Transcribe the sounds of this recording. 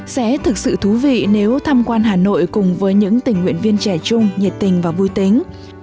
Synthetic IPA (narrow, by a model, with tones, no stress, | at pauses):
sɛ̰˧˥t̪ʰɨ˨˩k̚sɨ̰˧˨t̪ʰu˨˦vḭ˧˨ne˨˦wt̪ʰaː˧mkwaː˧nɦaː˨˩no̰˧˨jkʊ˨˩ŋ͡mvəː˨˦jɲɨ̰˧˥ŋt̪ï˨˩ŋ̟ːwḭ˧˨ənvi˧ənt͡ɕɛ˧˩t͡ɕʊ˧ŋ͡mɲɛ˨˩t̚t̪ï˨˩ŋ̟vaː˨˩vu˧jt̪ï˨˦ŋ̟